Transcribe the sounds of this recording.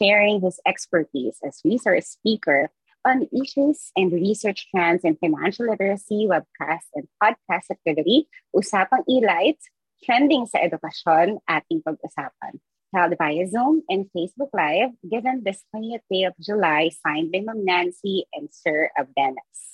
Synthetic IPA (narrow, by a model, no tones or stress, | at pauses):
ʃɛɹɪ̃ŋhɪsɛkspə˞t̪ḭːsɐswisə˞spiːkɛɹ | ʔɔ̃nʔiʃusɛ̃nd̪ɹisə˞t͡ʃtæ̃nsɛ̃nfaɪnæ̰̃nʃɐlɪt̪ɛɹɐsiwɛb̚kʰa̰st̪ɛ̃nd̪̚p̚ad̪̚kʰast̪ɐk̚t̪ɪvɪt̪iʔʊsaːpɐ̃ŋilaɪt̪s | t̪ɹɛ̃nd̪ɪ̃ŋsɐʔɛd̪ʊkɐʃɔnʔat̪ɪ̃ŋpɐɡ̚ʊsaːp̚ɐ̰̃n | hɛld̪bajɐzõmɛ̃nfeɪsbʊklajvɡɪvɛ̃nd̪ɪstwɛniɛt̪̚d̪eɪɔvd͡ʒʊlajsãɪ̃nd̪lɪ̃ŋɔ̃mnæ̃nsiʔɛ̃nd̪sɛ˞ɐvvɛnɛs